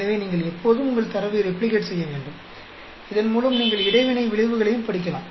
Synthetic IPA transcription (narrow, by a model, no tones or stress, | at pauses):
ɐʋeːniːŋɡɐɭɛpʰːoːðɯmʊŋɡɐɭt̪ɐɾɐʋijɾɛpːɭɪkeːʈsɛjːɐʋeːɳɖɯm | ɪðɐnmuːlɐmniːŋɡɐɭɪɽɐɪʋɪnɐɪʋɪɭɪʋɯɣɐɭɐjɯmpɐɽɪk̬ʲːɐlaːm